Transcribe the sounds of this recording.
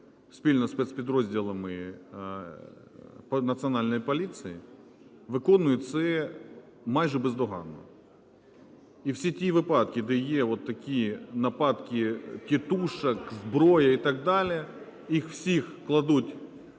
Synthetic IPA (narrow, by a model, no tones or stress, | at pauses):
sʲpʲilʲnɔspʲɛt̪spʲɪd̪ɾozʲdʲilˠɐmɪ | nɐt̪sɨɐnɑlʲnɔjpɐlʲit̪sɨjɪ̰ | ʋɪkɔnʊjʊt̪ʲsɛ | majʒɪbɛzd̪ɔɦɑ̰nːɔ̰ | iwsʲitʲiʋɨpɑt̪kʲɪd̪ɛjeʋɔt̪ːɐkʲinɐpɑt̪kʲɪtʲɪt̪uʃɐkzbɾojɐit̪ɐɡ̚d̪alʲɪɛ | ixwsʲixklˠɐd̪utʲ